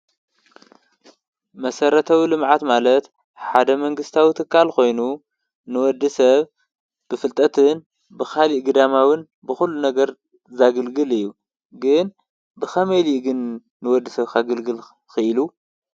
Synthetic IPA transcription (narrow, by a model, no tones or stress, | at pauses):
mɐsɐɾɐt̪ʰɐwilɨmʕat̪malɐt̪ | ħad̪ɐmɐŋɡɨst̪ʰawit̪ʰɨkːalxo̞jnu | nɨwɔd̪ɨsɐβ | b̥ɨfɨlt̪ʼɐt̪ʰɨn | bɨxaliʔɡɨd̪amawɨn | bɨxulːunɐɡɐɾ | zaɡɐlɡɨlɨjːu | ɡɨn | bɨxɐmeliɡɨnː | ɨwɔd̪ːɨsɐβkʰaɡɐlɡɨl | xɨʔɨlu